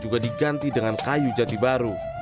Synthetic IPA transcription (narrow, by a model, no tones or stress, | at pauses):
d͡ʒuɡadiɡant̪idəŋankajud͡ʒat̪ibaɾu